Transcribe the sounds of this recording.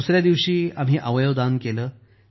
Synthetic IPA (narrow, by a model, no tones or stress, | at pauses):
usɾjad̪iʋɕiːam̤iːʔəʋəjod̪ankeləː